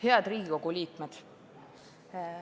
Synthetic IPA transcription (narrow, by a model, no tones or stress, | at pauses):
he̞ɑd̪̥riːɡ̥iko̞ɡ̥uliːkmed̪̥